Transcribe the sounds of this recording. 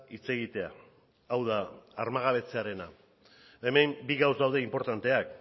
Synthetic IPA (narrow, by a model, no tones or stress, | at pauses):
it͡se̞ɣ̞it̪e̞a̰ː | wð̞aːɾmaɣ̞aβ̞e̞t͡se̞aɾe̞na̰ | emembiɣawsd̪awð̞e̞impo̞ɾt̪ant̪e̞ak